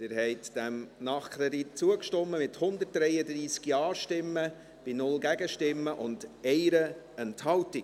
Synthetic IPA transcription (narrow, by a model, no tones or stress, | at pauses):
dɪːɾhɛɪtd̥æmnɑχkɾɛdit̚t͡suəkʃtɔmːəmɪthʊnd̪ət̚d̥ɾɛjədɾiːskjɑːɾʃtɪmːə | b̥ɪnʊlɡæɡəʃtɪmːəʔʊndɛɪɾə | ɛnthɑlti